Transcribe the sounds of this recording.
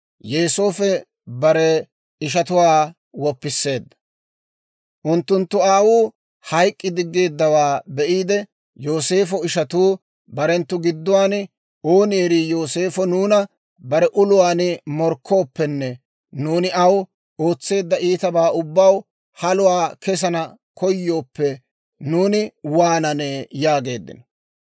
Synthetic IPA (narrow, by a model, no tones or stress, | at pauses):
jeːsoːfɛ | bɐɾɛ | ɪʃ̬ɐt̪ʊwaː | wɔpːɪsːe̞ːd̪ːɐ̥ | ʔʊnt̪ːʊnt̪ːʊaːwuː | hɐjkʼːɪd̪ɪɡːe̞ːd̪ːɐwaːbɛʔiːd̪ɛ | jo̞ːse̞ːfɔɪʃɐt̪uː | bɐɾɛnt̪ːʊɡɪd̪ːʊwaːn | o̞ːnɪɛɾiːjo̞ːse̞ːfɔnuːnɐ | bɐɾɛʔʊlʊwaːnmɔɾkʰːo̞ːpːɛnːɛ | nuːnɪɐw | o̞ːt͡sːe̞ːd̪ːɐʔiːt̪ɐbaːʊbːɐw | hɐlʊwaːkɛs̬ɐnɐ | kʰɔjːo̞ːpːɛ | nuːnɪwaːnɐneːjaːɡe̞ːd̪ːɪ̰nɔ̥